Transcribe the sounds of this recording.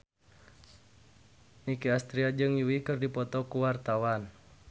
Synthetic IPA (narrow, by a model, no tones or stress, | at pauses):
nikiast̪ɾiad͡ʒɨŋjuwikɨrdipɔt̪ɔkuwart̪awan